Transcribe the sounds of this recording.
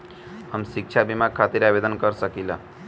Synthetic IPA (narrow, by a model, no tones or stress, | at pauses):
ɦəmsik̚t͡ʃʰabimaɡ̚kʰːat̪iɾabed̪ənkəɾsəkilə